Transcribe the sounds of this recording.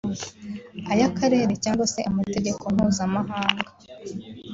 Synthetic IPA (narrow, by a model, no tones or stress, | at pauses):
ajakaɾe̞ːɾe̞caːŋɡwase̞ʔamate̞ɟe̞kʰo̞m̥huːzamaɦaːŋɡa